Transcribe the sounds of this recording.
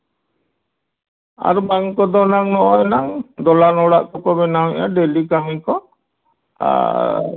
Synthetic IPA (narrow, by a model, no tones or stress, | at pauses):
a̰ɾbaŋkɔd̪ɔnaŋnɔʔɔɛnaŋd̪ɔlanɔɽaʔkɔkɔbɛnawɛ̰ja̰ɖelikamikɔ | a̰